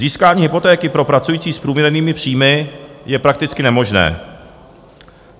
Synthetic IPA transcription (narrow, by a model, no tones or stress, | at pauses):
ziːskaːɲiːɦɪpo̞t̪ɛːkɪpɾo̞pɾat͡sujiːt͡siːspɾuːmɲɛɾniːmɪpr̝̥iːmɪjɛpɾak̚t̪ɪt͡skɪnɛmo̞ʒnɛ̰ː